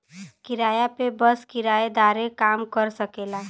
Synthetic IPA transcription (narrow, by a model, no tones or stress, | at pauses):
kɪɾaːjapebəskɪɾaːed̪aːɾẽkaːmkəɾsəkeːlaː